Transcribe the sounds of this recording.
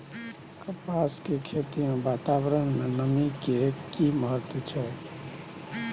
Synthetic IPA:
kəpaskekʰet̪imẽbat̪abɾənmenəmikekiməɦət̪wət͡ʃʰɛ

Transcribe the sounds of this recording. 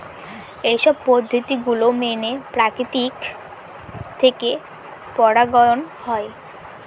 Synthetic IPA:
ejʃɔb̚pod̪ʱːot̪iɡulomenepɾakɾit̪ik | t̪ʰeke | pɔɽaɡɔonhɔe

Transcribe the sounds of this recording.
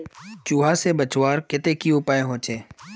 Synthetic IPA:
t͡ʃuːɦaːseːbət͡ʃwaːɾkɪt̪eːkiʊpaːeɦoːt͡ʃʰeː

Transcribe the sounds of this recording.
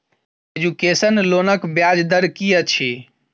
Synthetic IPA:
ed͡ʒukesənlonəkbjad͡ʒd̪əɾkiət͡ʃʰi

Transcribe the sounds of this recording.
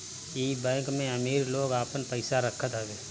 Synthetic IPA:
iːbɛ̃ːŋkmẽɐmiːɾloːɡaːpənpəɪsaɾəkʰət̪ɦaːɡeː

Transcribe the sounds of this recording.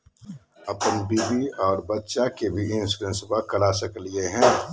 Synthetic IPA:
ɐpənbiːbiɔːɾbɐtːʃakebʱiɪnsɾə̃nsbakɐɽasəklieɦɛ̃ː

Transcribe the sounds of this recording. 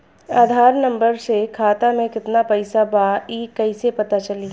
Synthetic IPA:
aːd̪ʱaːɾnɐ̃mbəɾsekʰaːt̪amẽkɪt̪napɐɪsabaːiːkɐɪsepɐt̪at͡ʃɐliː

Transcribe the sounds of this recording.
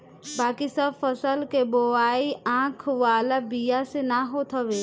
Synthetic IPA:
baːkisəbfəsəlkeboaːiãːkʰʋaːlabijasenaɦot̪ʰəʋeː

